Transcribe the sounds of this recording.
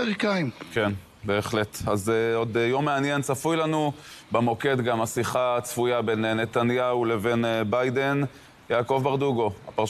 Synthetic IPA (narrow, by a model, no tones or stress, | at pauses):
eʁikaimke̞n | be̞ːχle̞t̪azeo̞d̪jo̞mːeanje̞nt͡safujlanubemo̞ke̞t̪ɡamasiχat͡sfujabe̞nne̞t̪anjaule̞ve̞nbajd̪e̞n | jaːko̞vbaʁd̪uɡo̞apaʁ